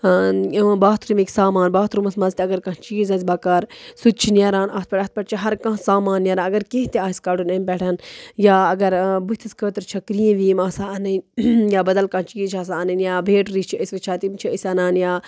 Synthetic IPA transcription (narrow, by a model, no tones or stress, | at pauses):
baːt̪ʰɾumekʲsaːmaːnbaːt̪ɾumɐsmɐnzʲt̪iɐɡɐɾkɐ̃t͡ʃiːzɐzʲbɐkɐːɾsut̪̚t͡ʃʰinʲɐɾaːnɐt̪̚pɐʈɐt̪̚pɐʈt͡ʃʰiɦɐɾkãːɦsaːmaːnjɐɾãːɐɡɐɾkeɦt̪iaːiskaɽunɐmʲpɛʈʰɐnjaːɐɡɐɾbut̪ʰiskəːt̪ɨɾt͡ʃʰɐkɾijẽʋiːmasaɐnɐnʲjaːbɐd̪ɐlkɐ̃nt͡ʃiːzt͡ʃʰaːs̬aɐnɐnjaːbʱeːʈɾit͡ʃʰiɐsʲʋɐt͡ʃʰaːt̪imt͡ʃʰiəsʲɐnaːnjaː